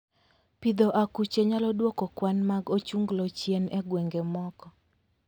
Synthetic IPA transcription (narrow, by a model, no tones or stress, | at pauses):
pid̪ɔʔakut͡ʃeɲalɔdwɔkɔkwanmaɡot͡ʃuŋɡlɔt͡ʃjenɛɡweŋɡemɔkɔ